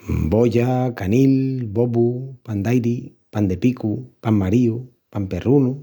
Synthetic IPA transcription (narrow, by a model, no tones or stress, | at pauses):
bojakanilbobupand̪ajɾi | pand̪epikupamːaɾiu | pamperunu